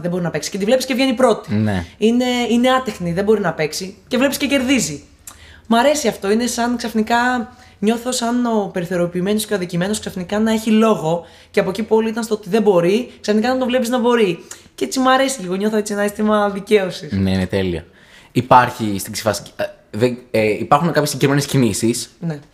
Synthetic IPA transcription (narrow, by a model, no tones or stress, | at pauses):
ðebo̞ɾinɐpe̞ksi̥ce̞t̪ivlpisce̞vʝe̞nipɾo̞t̪i̥neine̞ine̞ɐt̪exniðebo̞ɾinɐpe̞ksicevle̞piscece̞ɾðizi | mɐɾe̞siɐft̪o̞ine̞sɐnksɐfnikɐ | ɲo̞θo̞sɐno̞pe̞ɾiθe̞ɾo̞piːme̞nosce̞ɐðicime̞no̞sksɐfnikɐnɐe̞çilo̞ɣo̞ | ceɐpocipuo̞liit̪ɐnst̪oot̪iðe̞bo̞ɾiksɐfnikɐnɐnt̪ovle̞piznɐbo̞ɾicee̞t͡simɐɾe̞siliɣo̞ɲo̞θoet͡sienɐsest̪imɐðice̞o̞sisneinet̪e̞liɐ̰ | ipɐɾçist̪iɡsi̥fɐs | ðeeipɐɾxunekɐpçsiɟkɾimenescinisisne̞